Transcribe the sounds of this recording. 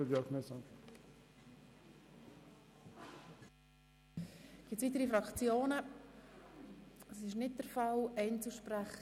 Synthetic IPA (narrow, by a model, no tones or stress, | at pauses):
əd̪jɑknɛsɑ | ɡ̥ɪt͡sʋiːt̪əɾifɾɑkt͡sjoːnə | ɛsɪʃnɪt̚d̥əɾfɑlɛɪnt͡suʃpræχ